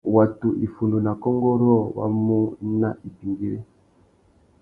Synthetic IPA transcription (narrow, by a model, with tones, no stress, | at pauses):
wa˨tu˨ʔi˨fu˨ndu˨na˨kɔ˦ŋɡɔ˦ɾɔ˦wa̰˦mu˦na˦ʔi˨pi˨ŋɡi˨ɾe˦